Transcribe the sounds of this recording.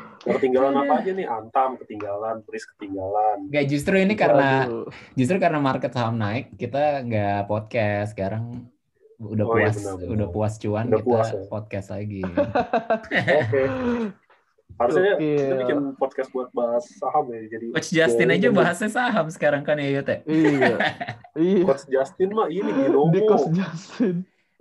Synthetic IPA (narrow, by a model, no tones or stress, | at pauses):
əpərt̪iŋɡalanapad͡ʒanɪhant̪amkət̪iŋɡalanpɾɪskə̥t̪iŋɡalanŋɡad͡ʒus̬t̪ɾuinikaɾənad͡ʒust̪ɾukaɾənamarkət̪̚saɦmnaɪkːit̪aŋɡapɔt̪̚kɛsə̥kaɾaŋ | udauassnaudahpuast͡ʃuandaituaspɔt̪̚kɛst̪laɡi | aɾaaaaŋpɔt̪̚kɛs̚buat̪̚baɦasːaɦamad͡ʒadikɔt͡ʃd͡ʒast̪ɪnad͡ʒabaɦasɲasaɦamsə̥kaɾaŋkanjajot̪ɛ | ikɔt͡ʃd͡ʒast̪ɪnmainiinomdiɔsd͡ʒast̪ɪn